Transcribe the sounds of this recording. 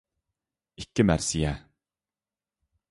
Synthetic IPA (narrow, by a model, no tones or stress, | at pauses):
ikʲːɪmæɾsijæ